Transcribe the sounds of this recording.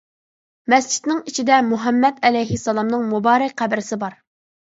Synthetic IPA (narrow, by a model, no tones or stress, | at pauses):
mɛst͡ʃʰi̥t̪nɪŋit͡ʃʰid̪ɛmuɦɛmːɛd̪ɛlɛjɦɪsːɑlˠɑmnɨŋmubɑːɾɛkʲqæbɪɾɪsɪbɑɾ